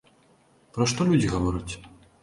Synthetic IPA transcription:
pɾɐʂt̪ɔlʲud͡zʲiɣavɔɾɐt͡sʲ

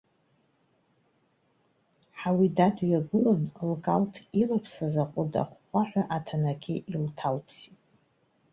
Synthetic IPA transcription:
ħawidadjaɡɨlonlkʼaltʰilapʰsazaqʷʼʊda̰χːʷaħʷᶣaʔatʰanakʲʰiʔiltʰalpʰsitʼ

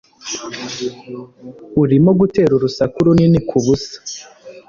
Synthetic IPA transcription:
uɾimoɡute̞ːɾuɾusakuɾuninikʰuβusḁ

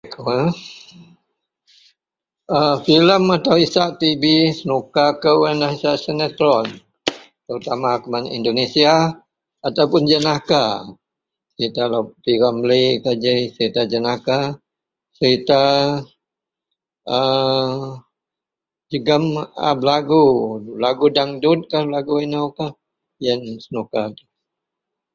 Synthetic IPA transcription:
ka | əfiləmat̪awisaʔt̪ibisənukakəwanahisaʔsənət̪ɾɔn | t̪əɾut̪amakumanḭndonesiaː | t̪awpʊnd͡ʒənaka | səɾit̪alapiɾamblikad͡ʒəsəɾit̪ad͡ʒənaka | səɾit̪a | ə | d͡ʒəɡəma̰blaɡulaɡudaŋdut̪̚kalaɡuinawka | jənsənukat̪u

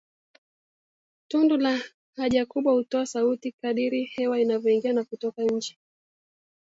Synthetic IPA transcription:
tundula | haʄakuɓwahutɔasautikaɗiɾihɛwainavjɔiŋɡianakutɔkaɲ̩t͡ʃi̥

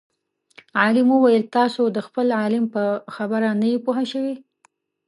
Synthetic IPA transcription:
ʕɑlɪməwajəlt̪ɑsod̪əxpəlʕɑlɪmpəxabəɾanajepuɦaʃəwi

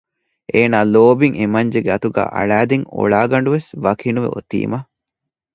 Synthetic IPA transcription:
ʔeːnaːloːbiŋemɐɲd͡ʒeɡeɐt̪uɡæ̰ːʔɐ̰ɭæːd̪eŋo̰ɭaːɡɐɳ̆ɖuʋesʋɐkʰinuʋḛo̰t̪ḭːmɐ

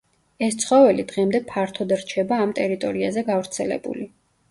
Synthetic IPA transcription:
ɛst̪sʰχɔvɛlid̪ʁɛmd̪ɛpʰaɾt̪ʰɔd̪aɾt͡ʃʰɛbaːmt̪ʼɛɾit̪ʼɔɾiazɛɡavɾt̪sʰɛlɛ̰bṵli

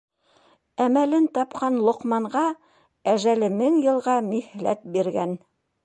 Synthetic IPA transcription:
æmælɘnt̪ɑpqɑnlˠŏqmɑɴʁɑ | æʒælɘmɘŋjɤ̆lˠʁɑmihlæ̰t̪̚biɾɡæ̰n

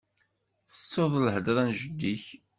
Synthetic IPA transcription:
θə̥t͡sːoðˤləhd̪ɾˤænʒəd̪ːiç

